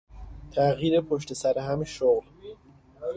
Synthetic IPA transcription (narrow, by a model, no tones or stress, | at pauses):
t̪ʰæɣjiːɾepʰoʃ̬t̪e̞sæɾeɦæmʃoɣl